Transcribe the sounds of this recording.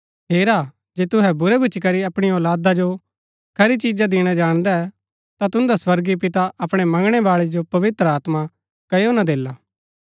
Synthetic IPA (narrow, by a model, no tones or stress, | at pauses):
ɦeːɾa | d͡ʒeːt̪ʊɦɛbʊɾɛbʱʊt͡ʃikɐɾiɐpɽ̃iɔːlaːd̪ad͡ʒo | kʰɐɾit͡ʃiːd͡ʒad̪ɪɽ̃ad͡ʒaːɽ̃d̪aɛ | t̪at̪ʊ̃nd̪aswɐɾɡip̬ɪt̪aɐpɽ̃ɛmɐ̃ŋɡɽ̃ɛbaːɭed͡ʒopɐʋɪt̪ɾəaːt̪ma | kɐjonad̪eːlaː